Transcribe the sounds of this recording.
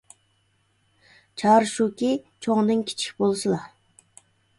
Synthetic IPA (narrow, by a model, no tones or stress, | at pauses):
t͡ʃʰɑːɾɨʃukʲit͡ʃʰoŋd̪ɨŋkʲʰi̥t͡ʃʰi̥kʲbolˠsɨlˠɑ